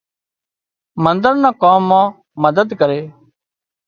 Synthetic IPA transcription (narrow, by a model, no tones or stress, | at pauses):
mə̃nd̪əɾnãːkaːmːãː | məd̪əd̪kəɾeː